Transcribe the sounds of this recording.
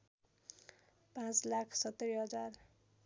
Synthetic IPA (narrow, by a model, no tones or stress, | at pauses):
pãt͡slakʰsʌt̪ːeɾiɦʌd͡zar